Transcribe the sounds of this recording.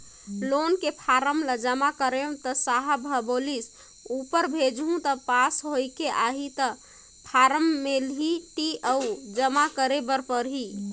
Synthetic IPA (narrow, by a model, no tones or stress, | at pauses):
lonkepʰaɾəmləd͡ʒəmakəɾeũt̪əsaɦabʱəbolis | upəɾbʱed͡ʒɦũt̪əpasɦojkeʔaɦit̪ə | pʰaɾəmːelɦiʈiʔəud͡ʒəmakəɾebəɾpəɾɦi